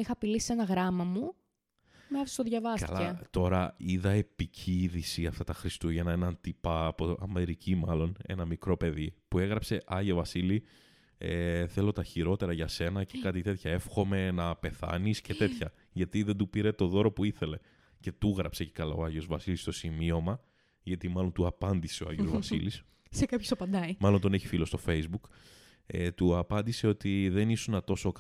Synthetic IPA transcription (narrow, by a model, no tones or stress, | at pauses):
ixɐːpilisi̥se̞nɐɣɾɐmɐmu | meɐfst̪oðʝɐvɐskɐ̰lɐɐt̪o̞ɾɐiðɐe̞picʰiðisiɐft̪ɐt̪ɐxɾist̪uʝɐenɐenɐnt̪ipɐːpoɐ̰me̞ɾicimɐlo̞ne̞̰nɐmikɾo̞pe̞ðipue̞ɣɾɐpse̞ʔɐʝovɐsili | eθe̞lo̞t̪ɐçiɾo̞t̪e̞ɾɐʝɐse̞nɐce̞kɐt̪it̪e̞t̪çɐe̞fxo̞me̞nɐpe̞θɐ̰nisce̞t̪e̞t̪çɐ | ʝɐt̪iðe̞nd̪upiɾe̞t̪o̞ðo̞ɾo̞puiθe̞le̞ | ce̞t̪uɣɾɐpse̞cekɐla̰oɐʝo̞zvɐsilist̪o̞simio̞mɐ | ʝɐt̪imɐlo̞nt̪uɐpɐnd̪ise̞oɐ̰ʝozvɐsḭlis | sekɐpçosɐpɐnd̪ɐimɐlo̞nt̪o̞neçi̥filo̞st̪o̞fe̞jzbuk | et̪uɐpɐnd̪ise̞o̞t̪iðe̞nisunɐt̪o̞so̞k